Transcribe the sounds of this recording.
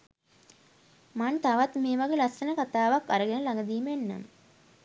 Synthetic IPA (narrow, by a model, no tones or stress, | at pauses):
mant̪aʋat̪meːʋaɡelasːənəkat̪aːʋakːaɾəɡenəlaŋɡəd̪iːmenːa̰mə